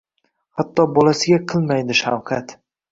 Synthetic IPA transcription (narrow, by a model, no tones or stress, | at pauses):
hat̪ːɒbɒlasɪɡʲaqʰɨlˠmajd̪ɪʃa̰wqʰat̪